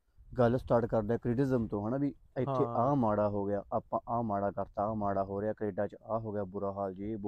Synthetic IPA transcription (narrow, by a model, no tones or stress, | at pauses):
ɡəlst̪aːʈkəɾd̪aɛːkɾɪʈɪzəmt̪õːɦəɳaːbiːɪt̪ʰːeːʔaːmaːɽaːɦoːɡɪjaːʔaːpãːʔaːmaːɽaːkəɾt̪amaːɽaːɦoːɾɪjaːkɾeːɖaːt͡ʃaːɦoːɡɪjaːbʊɾaːɦaːld͡ʒeːb